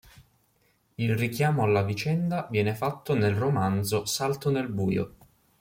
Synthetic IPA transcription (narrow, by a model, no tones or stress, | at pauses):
ilrikjaːmoalːavit͡ʃɛnd̪avjɛːnefat̪ːonelromand̪zosalt̪onelbuːjo̰